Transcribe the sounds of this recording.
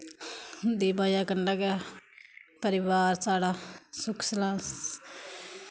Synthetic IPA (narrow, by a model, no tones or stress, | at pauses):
d̪ibaːjakɐnɖaɡa | pəɾɪʋaːɾsaːɽasukslãːs